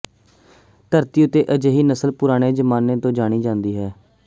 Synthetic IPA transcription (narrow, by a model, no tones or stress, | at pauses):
t̪əɾt̪iːʊt̪ːeːʔəd͡ʒeːɦiːnəsəlpʊɾaːɽ̃eːd͡ʒəmaːneːt̪õːd͡ʒaːɽ̃iːd͡ʒãːnd̪iːɦɛː